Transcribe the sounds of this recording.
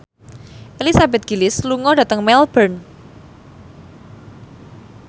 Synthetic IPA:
ʔelisabɛt̪̚ɡ̥ilɪsluŋɔdat̪əŋmɛlbərn

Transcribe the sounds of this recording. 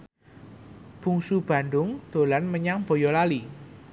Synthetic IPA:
b̥ṳŋsub̥a̤nɖʊŋd̪̥o̤lanməɲaŋb̥o̤jɔlali

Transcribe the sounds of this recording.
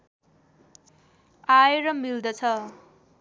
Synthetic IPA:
ajeɾʌmild̪ʌt͡sʰʌ

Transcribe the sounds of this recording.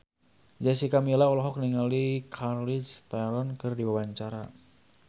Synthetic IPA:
d͡ʒasikamilaɔlɔɦɔk̚niŋalikʰarlit͡ʃt̪aɾɔnkɨrdiwawaɲt͡ʃaɾa

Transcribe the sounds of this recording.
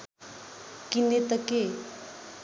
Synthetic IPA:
kinet̪əke

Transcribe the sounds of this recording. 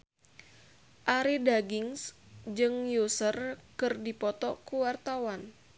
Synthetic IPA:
ʔaɾidaɡɪŋsd͡ʒɨŋjusərkɨrdipɔt̪ɔkuwart̪awan

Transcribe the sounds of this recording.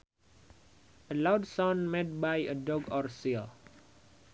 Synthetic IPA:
ʔəlawdsɔ̃nmed̚bajədɔɡɔrsil

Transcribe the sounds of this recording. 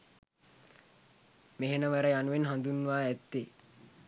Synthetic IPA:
meɦenəʋəɾəjanuʋenɦand̪unʋaːɛt̪ːe

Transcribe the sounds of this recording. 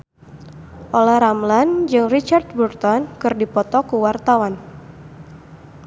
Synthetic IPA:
ʔolahɾamland͡ʒɨŋrit͡ʃard̪̚burt̪ɔnkɨrdipɔt̪ɔkuwart̪awan

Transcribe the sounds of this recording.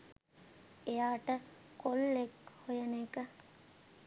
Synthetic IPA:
ejaːʈəkolːekhojəneːkə

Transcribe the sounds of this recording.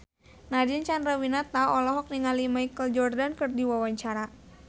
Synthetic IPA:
nad͡ʒint͡ʃanɾawinat̪aɔlɔɦɔk̚niŋalimajkəld͡ʒɔrdankɨrdiwawaɲt͡ʃaɾa

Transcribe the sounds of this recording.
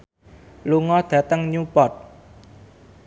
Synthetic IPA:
luŋɔd̪̥ä̤t̪əŋɲupɔt̪̚

